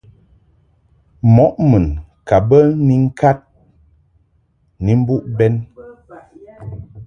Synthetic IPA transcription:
mɔ˨˦ʔmɨ˨n | ka˨bə˦ni˦ŋ̩˦ka˦t̚ | ni˨m̩˦bu˦ʔbɛ˦n

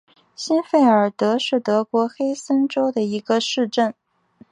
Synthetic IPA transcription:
ɕi˥nfe˥˩ɪə˞˨˩t̪ɤ˧˥ʂɻ̩˥˩t̪ɤ˧˥kwɔ˧˥xe˥ɪsə˥nʈ͡ʂo˥ʊd̪ə˨i˧˥ɡə˧ʂɻ̩˥˧ʈ͡ʂə˥˩n

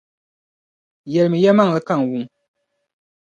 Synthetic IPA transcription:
jɛ˨lɨ˨mɨ˨ja˦ma˦ŋ˨lɨ˨˦ka˦˨ŋ˨wu˦ŋ

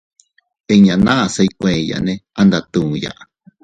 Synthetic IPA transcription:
e˧ɲã˨nã˦˨sa˧ikʷẽ˨ja̰˨nẽ˦a˧nd̪a˧t̪ũ˨ja̰˨ʔ

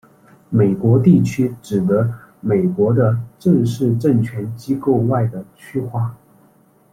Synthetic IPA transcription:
me˨˩ɪkwɔ˧˥t̪i˥˩t͡ɕʰy˥ʈ͡ʂɻ̩˨˩d̪ə˧˦me˨˩ɪkwɔ˧˥d̪ə˧ʈ͡ʂə˥˧ʂɻ̩˥˧ʈ͡ʂə˥˩ŋt͡ɕʰɥɛ˧˥nt͡ɕi˥ko˥˧ʊwa˥˩ɪd̪ə˩t͡ɕʰy˥xwa˥˩

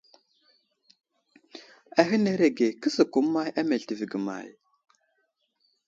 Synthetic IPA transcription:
a˨ɦi˦ne˦ɾe˨ɡe˨kə˦sə˨ku˨˦mːa˦ja˦me˨ɮti˨vi˨ɡə˨ma̰˨j

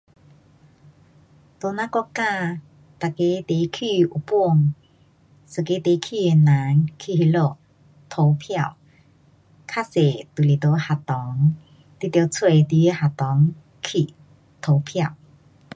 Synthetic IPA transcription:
t̪o˧nã˧˦kɔ˥˧˥ka˥˧˨ | t̪a˨ke˧˦t̪e˨˦kʰi˥˧˨u˨˩pu˥˧˨ŋ | sɨ˨˩ke˧˦t̪e˨˦kʰi˧˨e˧˩na˨˦ŋkʰi˧hi˧lo˧˨ | t̪ʰo˧˦wpʰja˥˧˨w | kʰa˥se˨t̪u˨li˨˩t̪o˧˦ha˨˩t̪ɔ˨˦ŋ | t̪i˧˥t̪jt͡sʰwe˧t̪i˧˦e˦ha˨t̪ɔ˨˦ŋ | kʰi˧˨ | t̪ʰo˨˧˦pʰja˥˧˨w

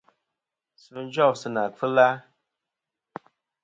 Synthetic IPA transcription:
sɨ˨˦n˦d͡ʒɔ˦˨sɨ˦na˨fɨ˦la˦

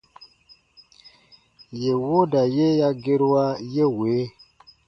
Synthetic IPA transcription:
je˨wo˦da˨je˦ja˦ɡe˦ɾwa˦je˦weː˨˦

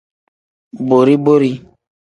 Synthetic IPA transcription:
bo˨ɾi˦bo˦ɾi˦

